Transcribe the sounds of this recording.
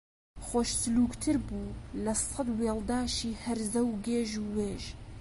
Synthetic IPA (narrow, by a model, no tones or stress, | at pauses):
xoʃsɨluːkt̪ʰɨɾbuːlɛsɑd̪weːld̪aːʃiːhɛɾzɛwɡeːʒuːweːʒ